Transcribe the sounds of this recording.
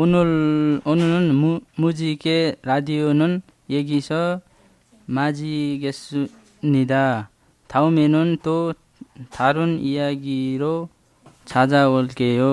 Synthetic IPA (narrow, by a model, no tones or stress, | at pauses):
n | onunɔnmud͡ʒikeɾad̪ijonɔn | jeɡisʌ | mad͡ziɡes | nid̪a | t̪ʰawmenunt̪o | t̪ʰaɾunḭjaɡiɾɔ | t͡sʰad͡zaolkejo